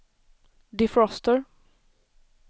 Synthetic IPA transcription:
d̪ɪfɾɔst̪əɹ

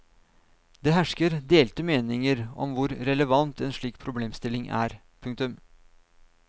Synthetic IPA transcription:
d̪eːɦæʂkəɾd̪eːlt̪əmeːnɪŋəɾɔ̰mʋʊɾɾɛləʋɑnt̪ɛːnʂɭiːk̚pʰɾʊbleːmst̪ɪlɪŋʔæ̰ːɾ | pʰʉŋk̚t̪ʉm

